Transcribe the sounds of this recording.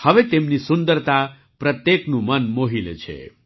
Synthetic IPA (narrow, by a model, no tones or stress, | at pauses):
həʋet̪emnisund̪əɾt̪a | pɾət̪jeknũmənmoɦilḛt͡ʃʰḛ